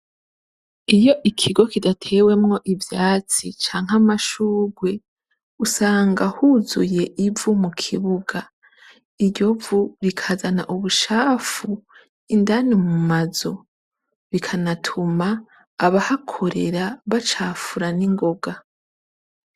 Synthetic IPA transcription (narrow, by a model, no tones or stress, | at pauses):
ijo̞ʔikʰiɡo̞kidatʰe̞ːwe̞mŋo̞ʔivjaːt͡sit͡ʃaːŋ̥ɦamaʃuːɡwe̞ | usaːŋɡahuzuje̞ʔivumukʰiβuɡa | iɟo̞vuɾikʰazanaʔuβuʃaːfu | indanimumazo̞ | βikʰanatʰumaː | βahakʰo̞ɾe̞̰ɾaβat͡ʃaːfuɾaniŋɡo̞ɡa